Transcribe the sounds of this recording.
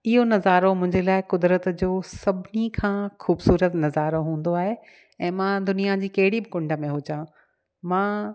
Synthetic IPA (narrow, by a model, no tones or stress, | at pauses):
ɪɦonɐzaːɾomʊ̃ɦɪ̃ɲd͡ʑelaːɪkʊd̪ɾət̪d͡ʑoːsɐbʱɪnikʰãːxuːbsuːɾət̪nɐzaːɾoɦũːn̆d̪oaːɦe | ɛ̃ːmãd̪ʊnijad͡ʑiːkɐɦɪɽibɪkʊ̃ɳɖə̆mẽɦʊd͡ʑãː | mãː